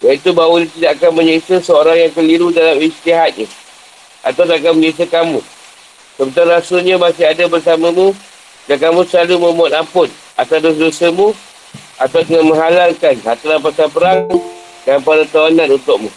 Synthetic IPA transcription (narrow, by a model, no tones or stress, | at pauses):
jait̪ubawəɲat̪idaʔakanməɲəisəsəoɾaŋjaŋkəliɾudalamist̪iɦat̪̚ɲa | ʔa̰t̪awt̪aak̬anməɲəis̬əkamũ | səbənt̪aɾasʊlɲamasiɦadabərsamamũ | dakamũsəlalumə̃mbuat̪ampʊt̪̚ | at̪ados̬dosəmũ | at̪awdəŋanmə̃ŋɦalalkanhat̪aɾanpasanpəɾaŋ | dampaɾat̪awananunt̪ʊk̚mũ